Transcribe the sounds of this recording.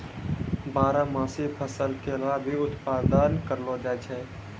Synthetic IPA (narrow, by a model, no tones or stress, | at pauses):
baːɾamãːsepʰəsəlkelabʱiʊt̪paːd̪aːnkəɾlod͡ʒaːt͡ʃʰɛː